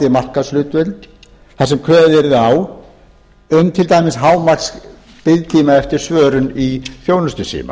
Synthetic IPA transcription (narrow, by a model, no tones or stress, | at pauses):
t̪ɪmar̥kaðslʏːt̪ʏl | θasɛmkʰœːðɛɾɪðaw | ʏmːt̪ʰɪlt̪aːjmɪsɦaːwmarks | pɪðt̪ʰiːmaɛft̪ɪɾ̥svœːɾʏniθjoːwnʏst̪ʏsḭːma̰